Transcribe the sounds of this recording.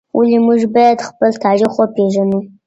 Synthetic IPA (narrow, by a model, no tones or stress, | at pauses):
wulimuʐbajad̪χpəlt̪ʰariχʷopʰeʐanu